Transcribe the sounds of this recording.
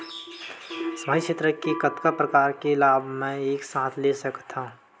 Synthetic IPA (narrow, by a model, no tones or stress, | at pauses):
smaːit͡ʃʰet̪ɾəkekət̪kapɾəkaːɾkelaːbʱmɛ̃eːksãːt̪ʰlesəkt̪ʰã